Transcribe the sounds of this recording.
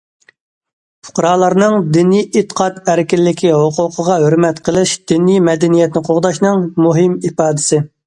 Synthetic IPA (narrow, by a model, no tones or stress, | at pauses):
fʰʊ̥qɾɑːlˠɑɾnɨŋd̪ɪnijʔɪt̪ːə̥qʰɑt̪æɾɪkʲɪlːɪkʲʰiɦoqʰʊqʰəʁɑɦøɾmɛt̪qʰəlˠɪʃd̪̥inijmɛd̪ɛnijɛt̪nɪqʰoʁd̪ɑʃnɨŋmuɦɪmipɑːd̪ɪsɪ